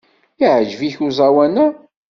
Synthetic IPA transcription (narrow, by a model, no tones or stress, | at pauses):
iʕəd͡ʒviçuzˤawænæ